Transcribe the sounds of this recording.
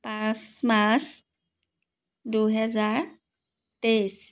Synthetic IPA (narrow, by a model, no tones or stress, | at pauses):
pãsmas | duɦɛzaɹ | tes